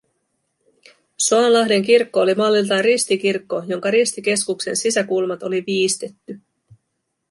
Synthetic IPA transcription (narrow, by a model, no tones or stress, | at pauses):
soɑnlɑɦde̞ŋkirkːo̞ːlimɑlːilt̪ɑrist̪ik̟irkːo̞jo̞ŋkɑɾist̪ik̟e̞skukse̞nsisækulmɑt̪o̞liʋiːst̪e̞t̪ːy